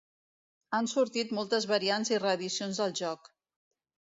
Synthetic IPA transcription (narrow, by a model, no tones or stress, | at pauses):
ansuɾt̪it̪mɔlˠt̪əzβəɾianzirəːðisionzðəlˠʒɔk